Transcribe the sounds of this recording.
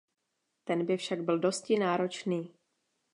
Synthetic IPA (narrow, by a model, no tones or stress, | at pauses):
t̪ɛnbɪfʃaɡ̚bɪldo̞scɪnaːɾo̞t͡ʃniː